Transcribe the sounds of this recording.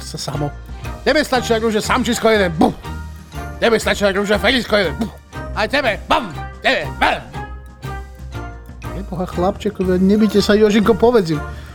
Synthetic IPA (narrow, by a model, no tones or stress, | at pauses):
sasamɔtʲɛbɛst̪at͡ʃiaɾuːʒasamt͡ʃiskɔjɛd̪ɛnbu | tɛbɛst̪at͡ʃiaɾuːʒafɛɾiskɔjɛd̪ɛnbu | ajtʲɛbɛbamtɛbɛbɛ | jɛbɔɦaxlapt͡ʃɛkɔʋiaɲɛbicɛsajɔʒiŋkɔpɔʋɛd͡zim